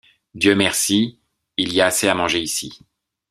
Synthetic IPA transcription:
d̪jømɛʁsi | iliaːseamɑ̃ʒeisi

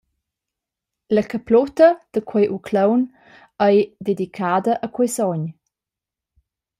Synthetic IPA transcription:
ləkəplɔt̪əd̪̥əkʰwɛjʔukʰləwn | əjd̪ed̪ikʰadəʔəkwɔjsɔɲ

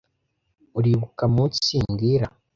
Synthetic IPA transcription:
uɾiβukamuciːŋɡiɾa

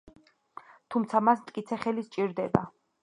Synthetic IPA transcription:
t̪ʰumt̪sʰamasmt̪ʼkʼit̪sʰɛχɛlist͡ʃʼiɾd̪ɛba̰

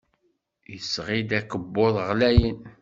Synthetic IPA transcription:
jəsʁid̪ækəbːoðˤʁlæjən

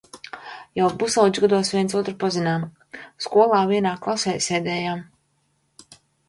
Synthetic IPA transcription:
jawbusawd͡ʒ̪ʲɡad̪uɔsviɛnt̪suɔt̪ɾpɔzinaːm | skuɔlˠaːviɛnaːklˠasɛːjsɛːd̪ɛːjaːm

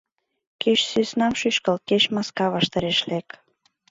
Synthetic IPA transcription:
keʃsysnɑmʃyʃkəlkeʃmɑskɑβɑʃt̪ɑɾeʃlek

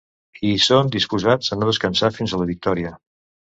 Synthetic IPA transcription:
isond̪ispuzad͡zənoðəskənsafinzələβik̚t̪ɔɾiə

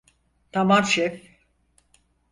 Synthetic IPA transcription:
t̪ʰamaɾʃɛf

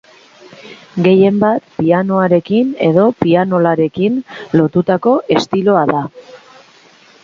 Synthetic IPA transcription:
ɡe̞je̞mbat̪piano̞aɾe̞kine̞ðo̞piano̞laɾe̞kinlo̞t̪ut̪ako̞ʔe̞st̪ilo̞aða

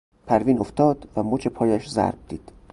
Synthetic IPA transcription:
pʰæɾviːnoft̪ɒːd̪̥væmoːt͡ʃʰe̞pʰɒːjæʃzæ̰ɾb̚d̪̥iːd̪̥

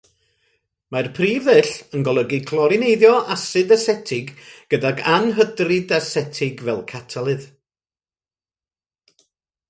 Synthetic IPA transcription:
marpʰriːvɨɬənɡɔlˠəɡɪkʰlˠɔɾɪnejðjɔʔasɨdasɛtʰɪɡɡ̥ədaɡanɦədrɨdasɛtʰɪɡvɛlˠkʰatʰalˠɨð

